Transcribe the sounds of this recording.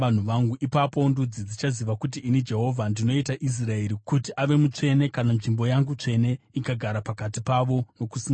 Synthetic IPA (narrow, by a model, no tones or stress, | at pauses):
an̤uʋaŋɡuʔipapo̞ndud͡zid͡zit͡ʃaziʋakut̬iːnid͡ʒe̞ɦo̞vʱandino̞itaʔis̬rae̞ɾikutiʔaʋe̞mut͡ʂe̞ne̞kananʐimbo̞jaŋɡut͡ʂe̞ne̞ | ikaɡʱaɾapakatipaʋo̞no̞kusi